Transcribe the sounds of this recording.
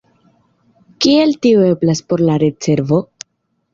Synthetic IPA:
kie̞ltioe̞blaspo̞ɾlaɾe̞t͡se̞ɾvo̞

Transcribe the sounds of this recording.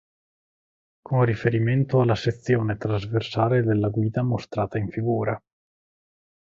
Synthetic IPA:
kʰonrifeɾiment̪oalːaset̪sːjoːnet̪ɾazversaːled̪elːaɡwiːd̪amost̪ɾaːt̪aiɱfiɡuːɾa

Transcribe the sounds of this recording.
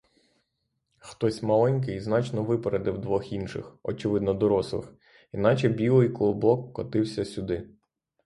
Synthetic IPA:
xt̪ɔsʲmɐlˠɛnʲk̬ɪjznɑt͡ʃnɔʋɪpeɾed̪ɪwd̪ʋɔxinʃɪ̰xɔt͡ʃɪʋɪd̪nɔd̪ɔɾɔslˠɪ̰x | in̪ɑt͡ʃɛbʲilˠɪjklˠɔbɔkːɔt̪ɪwsʲɐsʲʊd̪ɪ

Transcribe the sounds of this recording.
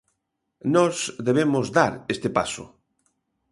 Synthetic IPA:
nɔsðeβ̞emʊzdaɾest̪epa̰sʊ̰

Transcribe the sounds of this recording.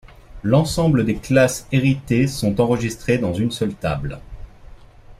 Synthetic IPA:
lɑ̃sɑ̃bləd̪eklaseʁit̪esɔ̃t̪ɑ̃ʁəʒist̪χed̪ɑ̃zynsœlt̪a̰bl

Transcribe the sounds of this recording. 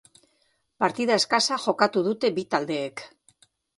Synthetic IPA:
paɾt̪iðae̞skasaʝo̞kat̪uðut̪e̞bit̪ald̪e̞ːk

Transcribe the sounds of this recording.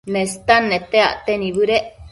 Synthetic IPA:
nest̪anːet̪ea̰ʔt̪eniβɨɾeʔ

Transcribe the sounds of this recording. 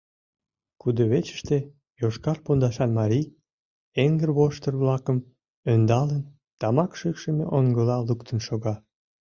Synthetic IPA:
kud̪əβet͡ɕə̥ʃt̪e | joʃkɑrpond̪ɑʃɑnmɑɾʲij | eŋɡərβoʃt̪ərβlɑkəm | ønd̪ɑlən | t̪ɑmɑkʃykʃəmḛʔoŋɡəlɑlukt̪ʰənʃoɣɑ

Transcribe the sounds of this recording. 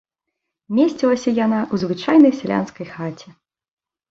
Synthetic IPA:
mʲesʲt͡sʲilˠɐsʲɐjanaʔuzvɨt͡ʂajnɐjsʲɛlʲa̰nskɐjxat͡sʲɛ

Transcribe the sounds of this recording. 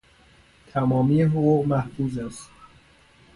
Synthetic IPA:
t̪ʰæmɒːmiːjeɦoʁuːɣmæhfuːzæst̪

